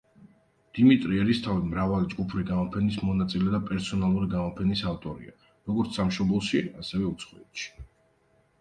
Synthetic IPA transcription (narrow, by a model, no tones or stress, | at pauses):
d̪̥imit̪ʼɾiɛɾist̪ʰavid̪mɾavalid͡ʒɡupʰɾiɡamɔpʰɛnismɔnat̪sʼilɛd̪apʼɛɾsɔnalˠuɾiɡamɔpʰɛnisaft̪ʼɔɾḭa̰ | ɾɔɡɔɾt̪ssamʃɔblˠʃiasɛvɛut̪sʰχɔɛt̪ʃi̥